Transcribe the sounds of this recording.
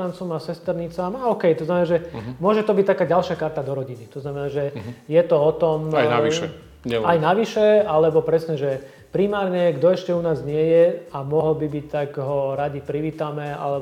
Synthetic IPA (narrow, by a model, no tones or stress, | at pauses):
ant͡sɔmasɛst̪ɛɾɲit͡samaɔkɛjt̪ɔznamɛnaːʒɛmʊɔʒɛt̪ɔbic̚t̪akaːɟalʃakaɾt̪ad̪ɔɾɔɟinit̪ɔznamɛnaːʒɛjɛt̪ɔɔt̪ɔmajnaʋʃɛ | ajnaʋiʃɛalɛbɔpɾɛsɲɛʒɛ | pɾimaːɾɲɛɡd̪ɔɛʃcɛunaːzɲɪɛjɛamɔɦɔlbibic̚t̪aɡɦɔɾaɟipɾiʋiːt̪amɛa̰lɛ